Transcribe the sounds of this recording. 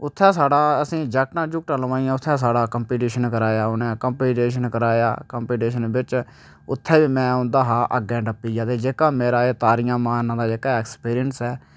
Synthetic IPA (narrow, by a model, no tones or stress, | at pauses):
ʊt̪ʰːɛ̃ːsaːɽaːəsĩːd͡ʒəːknãːd͡ʒʊk̚ʈaləʋãːĩːãːʊt̪ʰːɛ̃ːs̬aːɽaːkəmpiːʈiːʃənkəɾaːjaːʊnɛ̃ːkəmpiːʈeːʃənkəɾaːja̰ːkəmpiːʈeːʃənbɪt͡ʃ | ʊt̪ʰːɛːʋiːmɛ̃ːʊ̃nd̪aːɦaːʔəɡɛ̃ːɖəpːiːd͡ʒaːt̪eːd͡ʒeːkaːmeːɾaːeːt̪aːɾɪjãːmaːnːãːd̪aːd͡ʒeːkaːɛːkspiːɾɪjənsɛː